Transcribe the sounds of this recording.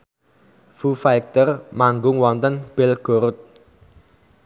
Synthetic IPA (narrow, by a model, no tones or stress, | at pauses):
fufajk̚t̪ərmaŋɡʊŋwɔnt̪ənb̥ɪlɡ̥oɾʊt̪̚